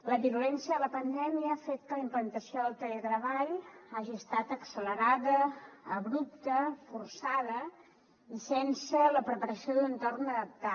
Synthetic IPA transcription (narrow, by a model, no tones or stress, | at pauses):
ləβiulɛnsiəðələpənd̪ɛmiəːfet̪̚kələimplənt̪əsioðəlˠt̪əlet̪ɾəβaʎaʒiəst̪at̪əksələɾaðəːβɾup̚t̪əfursaðə | isɛnsələpɾəpəɾəsioðənt̪ornəðəp̚t̪a